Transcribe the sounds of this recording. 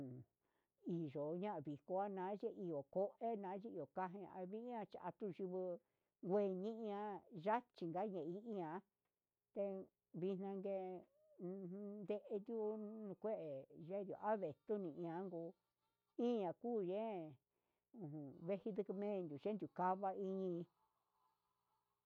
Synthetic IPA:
i˨ʒo˨ɲã˦ʔa˧˨βi˨ko˧a˦nã˧˦ʒe˦i˧o˨ko˦ʔe˦nã˧˦ʒe˦i˧o˨ka˦ɦĩ˧a̰˧βi˦ã˧t͡ʃi˧ʔa̰˧t̪u˦˧ʒi˧βɨ˧ | ɡʷe˧ɲĩ˦ʔã˧ʒa˦t͡ʃi˨ŋɡa˦ɲẽ˨i˦ʔi˦ã˧˦ | t̪e˧ | βi˧nnã˧ŋɡe˧ | nd̪e˧ʔe˧nd̪ʲu˦nũ˧kʷe˦ʔe˨ʒe˦d̪ʲo̰˨ʔa˦βe˨t̪u˦nĩ˧ʔĩ˧ã˧˦ŋɡuː˧ | ĩ˦˧ɲã˨kuː˦˨ʒẽ˦ | ũ˨ũ˨βe˦hi˧d̪ɨ˧kɨ˧mẽ˦˧nd̪ʲu˨ʒe˦nd̪ʲu˨ka˦βa˧i˧ɲĩ˧

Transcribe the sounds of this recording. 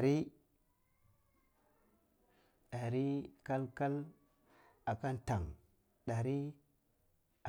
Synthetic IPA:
ɾi˦ | ɗa˨ɾi˦ka˦lka˦l | a˨ka˦nta˨ŋ | ɗa˨ɾi˦ | a˨

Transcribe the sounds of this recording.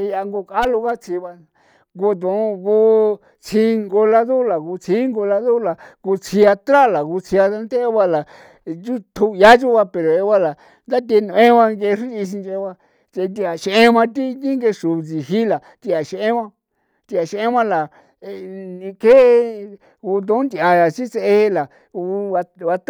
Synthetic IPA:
i˧a˧ŋɡo˧ka˦lu˧ka˦t͡sʰi˧βa˧ | ɡo˧t̪̬ũ˨˧ku˧ | t͡sʰĩ˧ŋɡo˧la˧ðu˦la˨ku˧t͡sʰĩ˦ŋɡo˧la˧ðu˦la˨ku˧t͡sʰi˧a˧t̪ɾa˦˨la˨ku˧t͡sʰi˧a˧a˦nt̪e˦e˧˦βa˧la˨ | d͡ʒu˦t̪ʰu˧ja˦t͡ʃu˦βa˧pe˨ɾo˨e˧βa˦la˨ | nd̪a˦t̪̬e˧nũ˧ẽ˦βã˧ŋɡe˧ʂũ˦˧i˧s̬i˧nt͡ʃe˧βa˧ | t͡ʃe˧nd̪i˧a˨ʃʔẽ˦mã˧t̪i˦d̪i˦ŋɡe˧ʂu˨˧t͡si˨ɦi˦la˨ | t̪i˧a˨ʃe˧ʔẽ˦βã˦ | t̪i˧a˨ʃʔẽ˦mã˦la˨˧ | nĩ˧ke˦˧ | ku˧t̪̬õ˦nd̪ʲa˧ja˨t͡ʃi˦t͡se˧e˧la˨˧ | u˧a˧βa˧t̪

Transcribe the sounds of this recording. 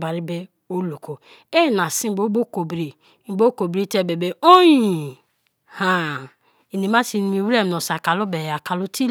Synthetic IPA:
ba˨ɾi˦be˦ | o˦lo˨ko˨ | e˦˨na˨si˦bo˦bo˦ko˨bɾi˨˦ | bo˦ko˨bɾi˦te˦˨be˨be˨o˦ji˨ | ha˦˨ | i˨ni˨ma˦si˨˦ni˨mi˨we˦m˨no˨sa˨ka˨lo˦be˨ja˨ka˨lu˦ti˦

